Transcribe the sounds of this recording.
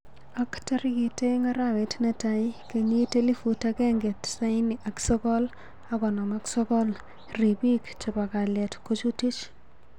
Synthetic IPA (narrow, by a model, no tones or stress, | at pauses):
aktɐɾkiteŋaɾawetnɛtajkeɲitelifutakɛŋɡetsaɪniʔaksɔkɔl | akɔnamaksɔkɔl | ripikt͡ʃɪpakaljɛtkot͡ʃutit͡ʃ